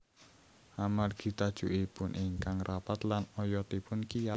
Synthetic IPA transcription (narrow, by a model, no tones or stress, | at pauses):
ʔamarɡ̥i̤t̪ad̥ʒ̥ṳʔipʊnʔiŋkaŋrʔapat̪lanɔjɔt̪ipʊnkija